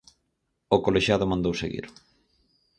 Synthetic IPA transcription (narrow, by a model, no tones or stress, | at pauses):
okoleʃjaðʊmãnd̪owsḛɣḭɾ